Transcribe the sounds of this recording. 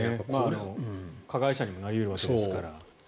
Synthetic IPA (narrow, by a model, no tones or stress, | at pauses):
emaːnokʰaɡaiɕaɲ̟imo̞naɾʲiɯɾɯ̟βake̞d̪esɨ̥kaɾa